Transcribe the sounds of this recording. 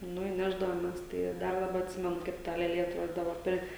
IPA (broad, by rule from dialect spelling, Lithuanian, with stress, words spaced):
ˈnʊ ɪ ˈnʲæːʒdɐʋoːmʲɛs ˈtɐɪ ˈdɐr dɐˈbɐ ɐtʲˈsʲɪmʲɛnʊ kɐɪp ˈtɐ lʲeːˈlʲeː ɐtˈroːdʲiːdɐʋɐ ˈpʲɛr